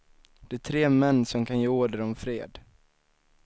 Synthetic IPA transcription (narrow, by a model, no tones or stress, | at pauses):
d̪̥ɛæt̪ʰɾeːmɛnːsɔmkʰanjeːoːɖəɾɔmfɾeːd̪